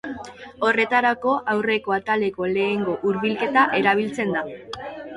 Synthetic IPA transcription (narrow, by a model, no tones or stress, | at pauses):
o̞re̞t̪aɾako̞ʔawre̞ko̞at̪ale̞ko̞le̞ːŋɡo̞ʔuɾβilke̞t̪aʔe̞ɾaβ̞ilt͡se̞nd̪a